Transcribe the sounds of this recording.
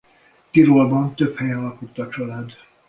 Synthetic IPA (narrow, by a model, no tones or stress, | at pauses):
t̪iɾolbɒnt̪ø̞phɛjɒlɒkut̪ːɒt͡ʃɒlaːd̪